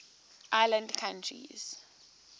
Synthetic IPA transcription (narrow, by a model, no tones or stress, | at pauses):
ʔajlãndkʰãntʰɹḭz̥